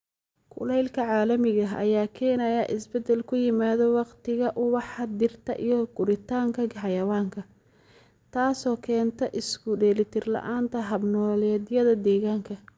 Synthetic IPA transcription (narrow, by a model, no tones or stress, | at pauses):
kʰʊ̰lɛjlkʰɐʕɑːlɐmɪɣɐɦɐ̰jaːkʰɛːnɐjɐʔɪsbɛd̪ɛlkʰʊjɪmaːðɔwɑqt̪ʰɪɣɐʔʊwɑħɑd̪ɪrt̪ʰɐʔijɔɡ̥ʊɾɪt̪ʰaːŋkʰɐɡħɑjɐwaːŋkʰɐ | t̪ʰaːsɔːkʰɛːnt̪ʰɐʔɪskʊɖɛːlɪt̪ʰɪrlɐ̰ʔaːnt̪ʰɐɦɐbnɔːlɛːd̪jɐðɐd̪ɛːɣaːŋkʰɐ